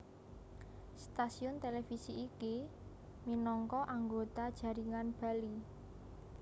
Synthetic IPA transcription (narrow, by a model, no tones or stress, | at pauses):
st̪asiʊnt̪elefisiʔːki | minɔŋkɔʔaŋɡot̪ad̥ʒ̥ä̤ɾiŋanb̥a̤li